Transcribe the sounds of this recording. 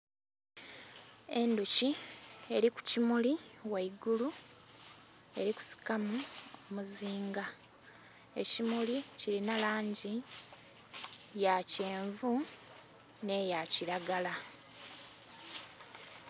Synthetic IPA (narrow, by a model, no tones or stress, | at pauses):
e̞nducie̞ɾiku̥cimuliwaiɡulu | e̞ɾiku̥si̥kamuomuziːŋɡa | e̞̰cimuliciɾinalaːɲɟi | jace̞ːɱvu | ne̞jaciɾaɡala